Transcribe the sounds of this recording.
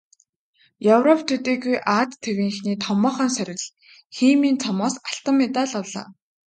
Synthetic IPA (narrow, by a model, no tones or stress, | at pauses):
jɔwrɔpʰt̪ʰɵt̪eːɣujʔaːt̪ʰːewiːŋxniːt̪ʰɔmɔːχə̆ːns̬æɾʲɪ̆ɣɮ | xiːmiːnt͡sʰɔmɔːsaɬt̪ə̆mːet̪aːɮɔɮa̰ː